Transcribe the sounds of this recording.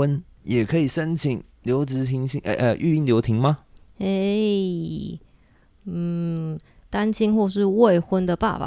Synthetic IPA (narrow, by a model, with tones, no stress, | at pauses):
ə˦n | jɛ˨˩kʰɤ˧˥i˨˩ʂə˦˥nt͡ɕʰi˨˩˦ŋ | ljo˧˥ʊʈ͡ʂɻ̩˧˥t̪ʰi˧˥ŋɕi˥˧ʔə˧ʔy˥˧i˥˩ŋljo˧˥ʊt̪ʰi˧˥ŋma˧e˥˩ | n̩˨˩ | t̪a˥nɕi˥nxwɔ˥˧ʂɻ̩˥˧we˥˩ɪxwə˥nd̪ə˨pa̰˥˩pa̰˨